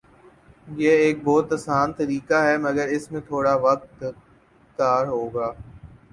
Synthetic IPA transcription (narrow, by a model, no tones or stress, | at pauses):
jeːeːk̚bɔːt̪ɐsaːnt̪ɐɾiːkaɦɛːmɐɡəɾɪsmẽt̪ʰoːɽaʋɐk̚t̪ | d̪aːɾɦoːɡaː